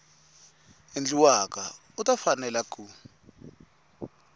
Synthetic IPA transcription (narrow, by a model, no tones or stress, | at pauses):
end͡ɮiwaka | utʼafanɛlakʰʼu